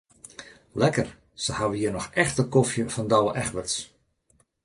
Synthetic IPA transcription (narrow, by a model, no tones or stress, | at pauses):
lɛkər | səhaʋəhiənɔxɛxtəkofjəfɔndɔwəʔɛxʋəs